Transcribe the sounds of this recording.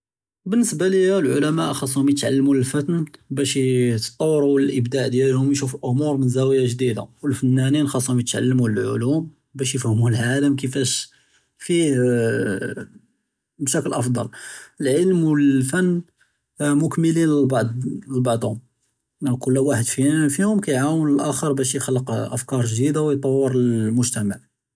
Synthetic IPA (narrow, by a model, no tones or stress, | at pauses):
bənːəsbalijælʕʊlæmaʔxɑsˤːhʊmjət̪ʕalːmuəlfət̪nbæʃt̪t̪ˤːɑwːɾuwəlʔəbd̪aʕd̪jælhʊmjʃuflʔʊmuɾˤmənzæwjaʒd̪id̪a̰wəlfənːæninxɑsˤːhʊmjət̪ʕa̰lːmuəlʕʊ̰lum | bæʃ̬jəfæhmulʕaləmkəfæʃ | fih | bʃækəlʔɑfd̪ˤɑ̰ləlʕəlmwəlfænː | mʊkməlinlbɑd̪əlbɑʕd̪ˤhʊm | kʊlːwaħəd̪fifihʊmkæjʕawənəlʔæxəɾˤbæʃjəxəlːəqʔəfkɑɾˤʒd̪id̪awjt̪ˤɑwːəɾəlmʊʒt̪æmaʕ